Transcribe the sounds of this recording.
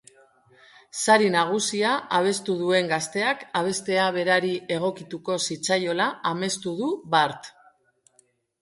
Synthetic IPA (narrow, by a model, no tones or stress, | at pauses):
saɾinaɣ̞usiaʔaβ̞e̞st̪uð̞ue̞ŋɡast̪e̞akaβ̞e̞st̪e̞aβ̞e̞ɾaɾiʔe̞ɣ̞o̞kit̪uko̞sit͡sajo̞laame̞st̪uð̞uβaɾt̪